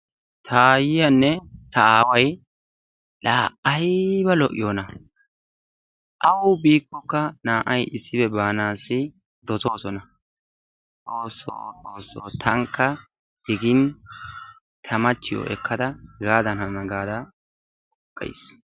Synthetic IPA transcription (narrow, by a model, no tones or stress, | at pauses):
t̪ʰajɪjɐnːɛt̪ɐaːwɐj | ᶑaːʔɐjbɐlɔʔːɪjoːnɐ | ʔɐwʊbiːkːɔkːɐnaːʔɐjʔɪsːɪbɛbaːnaːsːɪ | d̪̥ɔsoːsɔnɐ | ʔoːso̰oːsoːt̪ʰɐŋkːɐ | d̥ɪɡɪn | t̪ʰɐmɐt͡ʃːɪjɔ̰ʔɛ̰kʰːɐd̪ɐɡaːd̪ɐnɐmɐɡaːd̪ɐ | ɔʔʼːɐ̰js